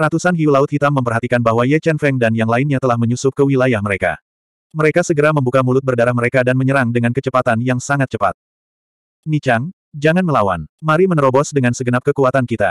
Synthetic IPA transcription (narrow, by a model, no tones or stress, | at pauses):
rat̪usanɦiulaʊt̪̚hit̪amːəmpərɦat̪ikanbaɦwajɛt͡ʃɛnfɛŋdanjaŋlainɲat̪əlahməɲusʊp̚kəwilajahməɾeka̰ | məɾekasəɡəɾaməmbukamulʊt̪̚bərdaɾahməɾekadanməɲəɾaŋdəŋankət͡ʃəpat̪anjaŋsaŋat̪̚t͡ʃəpa̰t̪̚ | nit͡ʃaŋ | d͡ʒaŋanməlawa̰nmaɾimənɾobɔsdəŋansəɡənap̚kəkuat̪ankit̪a